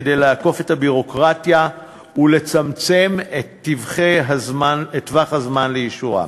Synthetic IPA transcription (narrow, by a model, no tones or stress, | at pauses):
dejlaːko̞fe̞thabiʁo̞kʁatja | ule̞t͡samt͡se̞metːivχeɦazmanetvaχazmanlejiʃuʁa̰